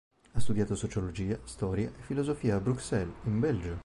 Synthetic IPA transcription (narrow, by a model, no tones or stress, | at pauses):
ast̪ud̪jaːt̪osot͡ʃolod͡ʒiːast̪ɔːɾjaʔefːilozofiːaːbɾuksɛlimbɛld͡ʒo